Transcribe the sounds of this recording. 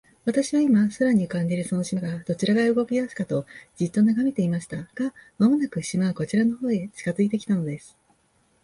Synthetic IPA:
βat̪aɕiβaimasaɾaɲ̟ikãɲ̟d͡ʑiɾɯ̟so̞no̞ɕimaɡad̪̥o̞t͡ɕiɾaɡaɯ̟ɡo̞kʲijasɨ̥kat̪o̞d͡ʑit̪ːo̞naɡame̞t̪e̞imaɕi̥t̪aɡ̥amamo̞nakɯ̟ɕimako̞t͡ɕiɾano̞ho̞ːet͡ɕi̥kazɨit̪e̞kʲi̥t̪ano̞d̪e̞sɨ̥

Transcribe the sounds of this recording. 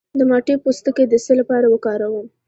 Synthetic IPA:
d̪əmɑʈepost̪əked̪əsəlapɑɾawəkɑɾawəm

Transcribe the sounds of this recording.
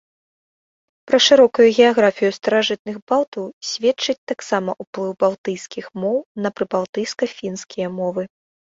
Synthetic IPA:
pɾɐʂɨɾɔkujuɣʲɛaɣɾafʲijust̪ɐɾaʐɨt̪̚nɨɣbalˠt̪ɐwsʲvʲɛtt͡ʂɨt͡sʲt̪aksamɐʔuplˠɨwbalˠt̪ɨjskʲixmɔwnɐpɾɨbalˠt̪ɨjskɐfʲinskʲʰijɐmɔvɨ

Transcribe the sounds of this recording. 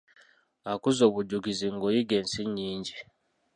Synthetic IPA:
akuzoːβuɟuɡiziŋɡojiɡeːnsiɲːiːɲɟi

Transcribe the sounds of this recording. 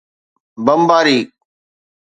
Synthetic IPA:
bəmbaːɾiː

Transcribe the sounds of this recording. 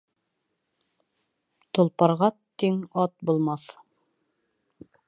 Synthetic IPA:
t̪ŏlˠpɑɾʁɑt̪iŋɑt̪̚bulˠmɑθ

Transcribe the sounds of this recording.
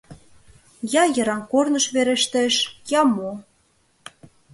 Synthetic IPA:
jɑjɤ̆ɾɑmkornɤ̆ʃβeɾĕʃt̪ĕʃjɑmo

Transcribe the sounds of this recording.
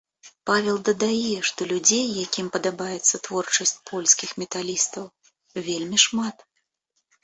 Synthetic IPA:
pavʲɛlˠd̪ɐd̪ajɛʂt̪ɔlʲud͡zʲejːakʲimpɐd̪abajɛt̪sːɐt̪vɔrt͡ʂɐsʲt͡sʲpʰɔlʲskʲixmʲɛt̪alʲist̪ɐw | vʲelʲmʲiʂmat̪

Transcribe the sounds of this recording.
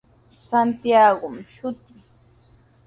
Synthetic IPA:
sant̪jaɢʊmʃʊt̪ɪŋ

